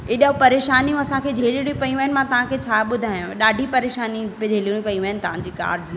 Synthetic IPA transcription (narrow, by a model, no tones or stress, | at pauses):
eɗaɦupɐɾeːʃaːnijũɐsãkʰeːd͡ʑʱeːliɽ̃ĩpɐĩʋaɦɪnɪ̆mãt̪ɐʋ̤ãkʰeːt͡ɕʰaːɓʊd̪ʱaːɪjãɗaːɖʱipɐɾeːʃaːnied͡ʑʱeːliɽ̃ĩpɐiʋɐɦɪnɪ̆t̪ɐʋ̤ãɲd͡ʑiːka̰ːɾd͡ʑ